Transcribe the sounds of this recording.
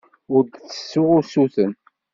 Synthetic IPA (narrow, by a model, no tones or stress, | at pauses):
ʊɾd̪θə̥sːʊʁʊsuθən